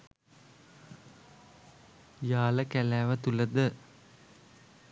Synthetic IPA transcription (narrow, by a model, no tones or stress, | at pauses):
jaːləkælæːʋət̪uləd̪ə